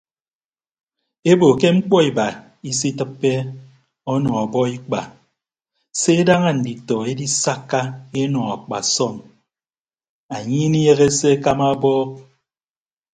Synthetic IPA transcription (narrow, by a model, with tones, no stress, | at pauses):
e˦bo˨ke˦ŋ͡m̩˦k͡pɔ˦i˨ba˨ | i˦s̬i˦tɨ˦pːe˦ | ɔ˦nɔ˨a˨bɔ˦i˦k͡pa̰˨ | se˦e˦da˦ŋa˦n̩˨di˨tɔ˨e˦di˦sa˦kːa˦e˦nɔ˨a˨k͡pa̰˨sɔ˦˨ŋ | a˨ɲi˦ni˦je˦ɣe˦se˦ka˦ma˦bɔ˦k̚